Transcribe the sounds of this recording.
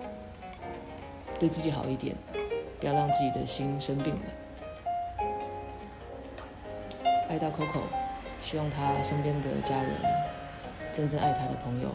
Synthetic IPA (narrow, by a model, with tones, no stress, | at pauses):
t̪we˥˧ɪt͡sɹ̩˥˩t͡ɕi˨˥xɑ˨˩ʊi˥˩t̪jɛ̰˨˩˦npu˨˩jɑ˥˧ʊɻɑ˥˧ŋt͡sɹ̩˥˩t͡ɕi˨˩d̪ə˩ɕi˥nʂə˥npi˥˩ŋlə̰˩ | a˥ɪt̪ɑ˥˩ʊkʰo˥ʊkʰo̰˨˩ʊɕi˥wɑ˥˩ŋt̪ʰa˥ʂə˥npjɛ˥nd̪ə̰˨˩t͡ɕja˥ɻə̰˧˦n | ʈ͡ʂə˥nʈ͡ʂə˥˧ŋʔa̰˥˩ɪt̪ʰa˥d̪ə˨pʰɤ˧˥ŋjo̰˨˩ʊ